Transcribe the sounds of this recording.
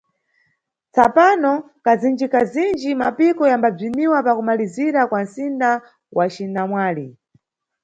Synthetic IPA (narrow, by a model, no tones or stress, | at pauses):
t͡sapanɔ | kazind͡ʒikazind͡ʒimapikɔjambab͡ʐimiwapakumaliziɾakwan̩sinda | wʔat͡ʃinamwaːli